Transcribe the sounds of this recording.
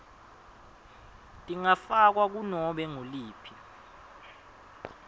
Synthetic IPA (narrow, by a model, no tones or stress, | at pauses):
tʼiŋafak̬wak̬unɔɓɛŋoliːpʰi